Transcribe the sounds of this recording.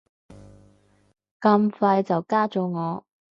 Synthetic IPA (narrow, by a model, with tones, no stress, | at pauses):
kɐ˧mfɐ˧jt͡sɐ˨wkaː˥t͡so˨˧ŋɔː˨˧